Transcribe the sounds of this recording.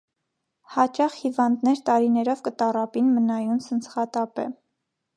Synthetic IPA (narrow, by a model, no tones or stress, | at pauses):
hɑt͡ʃɑχhivɑnd̪nɛɾt̪ɑɾinɛɾɔvkət̪ɑrɑpinmənɑjunsʰənt͡sʰχɑt̪ɑpɛ̰